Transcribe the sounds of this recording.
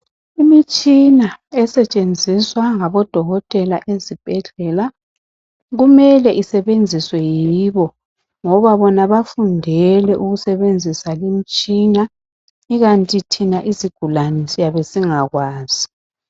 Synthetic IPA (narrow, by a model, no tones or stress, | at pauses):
imit͡ʃʼinaɛsɛt͡ʃʼend͡zʱiswaŋaβɔd̥ʱɔɣɔtʼɛla̰ʔezib̥ʱɛɮɛla | ɣumɛlɛʔisɛβend͡zʱiswɛjiβɔ | ŋɔβaβɔnaβafundʱɛlɛʔuɣusɛβend͡zʱisalimit͡ʃʼina | iɣantʼitʰinaʔiziɡ̥ʱulanɛsijaβesiŋaɣwaːz̥i